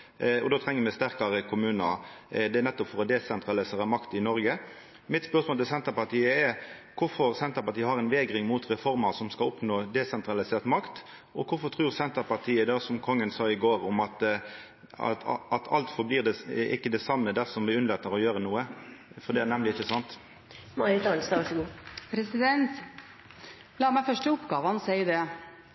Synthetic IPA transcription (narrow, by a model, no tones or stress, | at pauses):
ɔ̰d̪oːt̪ʰɾɛŋːəmɛɪst̪æɾkɑɾəkʰʊmʉːnəd̪ɛnɛt̪ːɔpfɔɾɔd̪ɛsɛnt̪ɾɑlɪseːɾəmɑkt̪ɪnɔɾɡə | mɪt̪spœɾsmoːlɪlsɛnt̪əɾpɑt̪iːəɛɾkʰʊɾfɔɾsɛnt̪əɾpɑʈ̪iːəhɑɾɛnʋeːɡɾɪŋmʊt̪ɾɛfɔɾmɑsɔmskɑlɔpnoːd̪ɛsɛnt̪ɾɑlɪseːʁt̪mɑkt̪ | ʔɔkʰʊɾfɔt̪ʰʁʉːʁsɛnt̪əɾpɑʁt̪ʰiːəd̪ɑːsɔmkʰɔŋːənsɑːɪɡoːɾʊmɑt̪ | ɑ̰ɑt̪ʰɑ̰lt̪fɔbliːʁd̪ɛɪ̰kːəd̪ɛsɑmːəd̪æʁsɔmbɪʉnlɑt̪əʁɔjøːɾənuːə | fɔd̪ɛænɛmlɪɪçːəsɑnt̪ | mɑɪt̪ɑlsd̪ɑʋɑʂɡuːpʰɾɛsɪd̪ɛnt̪ | lɑːmæɪfœʂʈəʊpɡɑːʋəhɑnsɛɪd̪ɛ